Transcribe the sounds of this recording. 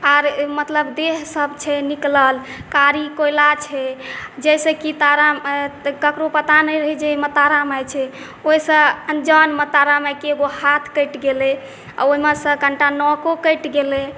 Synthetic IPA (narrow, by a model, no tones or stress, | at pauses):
aɾmət̪ləbd̪eɦsəbt͡ʃʰɛnikləlkaɾikojlat͡ʃʰɛd͡ʒɛjsekit̪aɾamkəkɾopət̪anəɾəɦɛd͡ʒemət̪aɾamajt͡ʃʰɛ | oisə̃ənd͡ʒənmət̪aɾamekeɡohat̪ʰkəjʈɡele | a̰oɦimesə̃kəɳʈanɔkokəjʈɡele